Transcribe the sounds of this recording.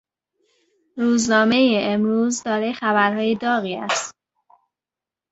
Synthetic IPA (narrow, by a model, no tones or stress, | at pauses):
ɾuːznɒːme̞jeemɾuːzd̪ɒːɾexæβæɾhɒːjed̪ɒːɣiːæ̰st̪